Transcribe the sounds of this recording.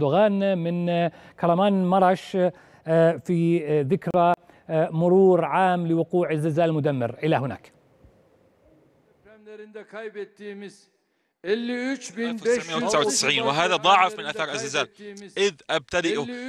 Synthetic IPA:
d̪ʊɣaːnmɪn | kʰɑɾˤɑmaːnmɑɾˤɑʃ | fiðɪkɾa | mʊɾuːɾʕaːmlɪwʊquːʕazːɪlzaːlmʊd̪amːɪ̰ɾʔɪlaɦɪna̰ːk | jbet̪ːimɪz | ɛlːt͡ʃbɪnmɪːʔawt̪sʕawt̪ɪ̥sʕiːnwɪɦaːðad̪ˤɑʕɪfmɪnʔaθɑːɾˤʔazːɪzaːlʔɪðʔab̚t̪ad̪ɪʔ

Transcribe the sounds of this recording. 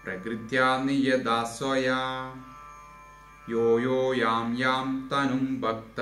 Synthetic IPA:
pɾɐkɾit̪jaːnijɐd̪aːswɐjaː | joːjoːjaːmjaːmt̪ɐnumbʱɐk̚t̪ɐ

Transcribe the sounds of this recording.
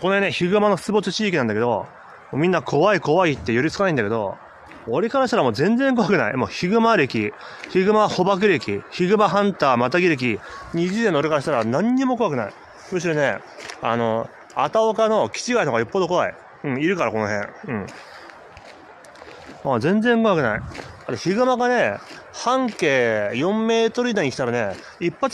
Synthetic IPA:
ko̞nohẽnːẽçiɡɯ̟mano̞̥t͡sɨbo̞t͡sɨt͡ɕiːkʲinãnd̪ake̞d̪o̞̰ | moːmʲĩnːakʰo̞βaiko̞βait̪ːe̞joɾʲit͡sɨkanaĩnd̪aked̪o̞̰ | oɾekaɾaɕi̥t̪aɾamo̞ːzẽ̞nd͡zẽ̞ŋk̬o̞βakɯ̟naḭmoːçiɡɯ̟maɾe̞kʲi | çiɡɯ̟maho̞bak̬ɯ̟ɾe̞kʲiçiɡɯ̟maɦãnt̪aːmat̪aɡʲiɾɯk̬ʲiɲ̟iʑizenːoɾekaɾaɕi̥t̪aɾanãɲ̟ːimo̞ko̞akɯ̟na̰ḭ | mɯ̟ɕ̬iɾo̞ne̞̰ | a̰no̞ | a̰t̪aokano̞kʲi̥t͡ɕiɡaioɡajopːod̪o̞ko̞a̰ḭ | ɯ̟̃ɴiɾɯ̟kaɾako̞no̞ɦẽ̞ɰ̃ɯ̟̃ɴ | mazẽ̞nd͡zẽŋkoβakɯ̟na̰ḭat̪oçiɡɯ̟maɡane̞ | hãŋke̞ːjõ̞mːe̞ːt̪o̞ɾɯ̟id̪aɲ̟ikʲi̥t̪aɾane̞ | ipːa

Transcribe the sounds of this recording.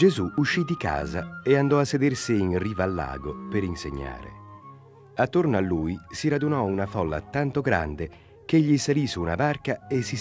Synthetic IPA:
d͡ʒezuuʃːid̪ika̰ːzaeand̪ɔasːed̪ersiinriːvaːlːa̰ːɡopeɾinseɲːa̰ːɾḛ | at̪ːornoalːujsiɾad̪unɔunafɔlːa̰t̪ant̪oɡɾa̰nd̪e | k̟eʎːisaliːsuːna̰barkaesi

